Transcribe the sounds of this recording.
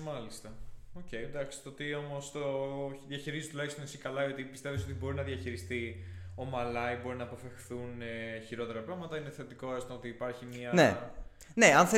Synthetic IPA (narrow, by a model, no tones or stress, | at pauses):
mɐlist̪ɐo̞ce̞jnd̪ɐkst̪ot̪io̞mo̞st̪oðjɐçiɾizzt̪ulɐçist̪onesikɐlɐio̞t̪ipist̪e̞viso̞t̪ibo̞ɾinɐðjɐçiɾist̪io̞mɐlɐjbo̞ɾinɐːpo̞fe̞xθuneçiɾo̞t̪e̞ɾɐpɾɐɣmɐt̪ɐineθe̞t̪iko̞est̪oot̪iːpɐɾçimiɐne | neɐnθe